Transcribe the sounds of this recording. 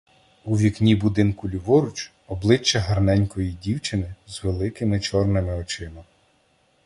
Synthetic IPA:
uʋʲiknʲibʊd̪ɪnkʊlʲʊʋɔɾʊt͡ʃ | ɔblˠɪt͡ʃːɐɦɐrnɛnʲkɔjidʲiwt͡ʃɪnɪzʋelˠɪkɪmɪt͡ʃɔrnɪmɪɔt͡ʃɪmɐm

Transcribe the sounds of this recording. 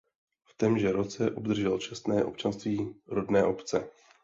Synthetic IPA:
ft̪ɛmʒɛɾot͡sɛʔobd̪r̩ʒɛlt͡ʃɛst̪nɛːʔo̞̰p̚t͡ʃanst̪viːɾodnɛːʔo̞pt͡sɛ

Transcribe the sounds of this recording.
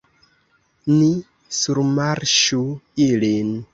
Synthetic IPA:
ni | suɾmaɾʃuilin

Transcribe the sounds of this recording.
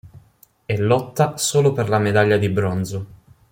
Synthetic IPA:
ɛlːɔt̪ːasoːloperlamed̪aʎːad̪ibɾɔnzo

